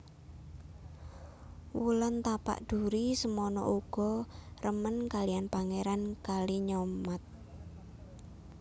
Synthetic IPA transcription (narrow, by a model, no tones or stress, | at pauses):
wulənt̪apa̰ʔd̪̥ṳɾisəmɔnɔ̰ʔuɡ̥ɔ̤rəmənkalianpaŋeɾankaliɲɔmat̪̚